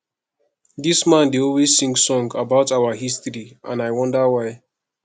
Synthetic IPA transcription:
dismãndeɔlwez̥sĩŋɡsɔ̃ŋɡabaʊtaʊəɦistɹiʔã̰naɪwʌ̃ndəwaɪ

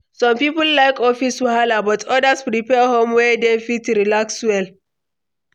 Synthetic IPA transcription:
sɔ̃mpipulːajkɔfiswalabɔtʰɔdaspɾipɛhõmwɛdefitɾilakswɛl

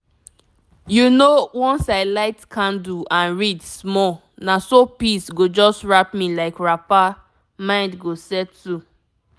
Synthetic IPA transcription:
junowɔ̃nsaɪlaɪtkʰãnduãnɹidsmɔl | nasopisɡod͡ʒɔstɹapmilaɪkɹapa | mãɪ̃ndɡosɛtu

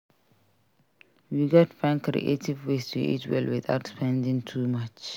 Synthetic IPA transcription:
wiɡɑtfãnkɾḭʔetʰivwestʰṵḭtwɛ̰lwiða̰ʊtspʰɛ̃ndĩŋtʰumat͡ʃ

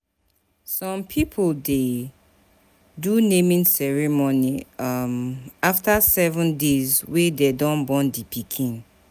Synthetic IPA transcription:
sɔ̃mpʰipʰolde | dunẽmĩnsɛɹimonimaftasɛvũndezwedɛdɔ̃nbɔ̃ndipʰikʰĩn

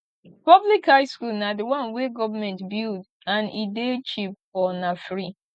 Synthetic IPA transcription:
pɔblikhajskulnadiwɔ̃nweɡɔvamɛ̃ntbild | ãnidet͡ʃip̚fɔnafɹi

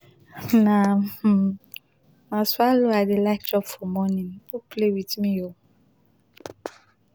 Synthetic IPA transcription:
na | nãswaloadɪlakd͡ʒɔpfɔmɔnĩnoplewitmĩjo

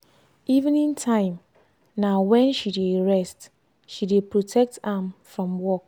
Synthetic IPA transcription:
iṽnĩntʰãɪ̃m | nãwɛ̃nʃideɹɛst | ʃidepʰɹotʰɛk̚tãmfɹɔ̃mwɔk̚

